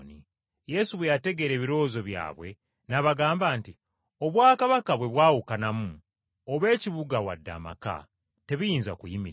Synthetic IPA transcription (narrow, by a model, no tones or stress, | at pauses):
ni | je̞suβwejate̞ɡe̞ɾe̞ːβiɾo̞ːzo̞βja̰ːβwe̞ | naβaɡaːmbaːnti | o̞βwaːkaβakaβwe̞βwaːwukanamu | oβe̞ːciβuɡawa̰dːa̰ma̰ka̰ | te̞βijiːnzakujimiɾ